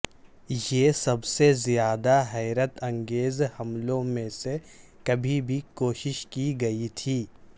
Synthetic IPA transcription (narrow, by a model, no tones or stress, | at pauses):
jesɐbsezijaːd̪aɦɛːɾət̪ɐ̃ŋɡeːzhɐmlõmẽse | kɐbʱibʱikoːʃɪʃkiɡɐit̪ʰiː